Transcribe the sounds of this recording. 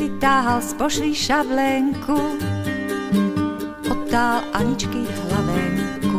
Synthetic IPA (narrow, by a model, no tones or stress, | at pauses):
lit̪aːɦalspɔʃliʃablɛŋku | ɔt̪ːaːlʔaɲit͡ʃkiːxlaʋɛːŋku